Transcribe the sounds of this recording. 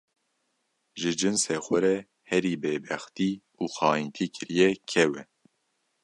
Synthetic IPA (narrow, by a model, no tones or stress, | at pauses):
ʒɨd͡ʒɨnsɛxɛɾɛ | hɛɾiːbeːbɛxt̪iː | uːxɑːint̪ʰiːkʰɨɾijɛkʰɛwɛ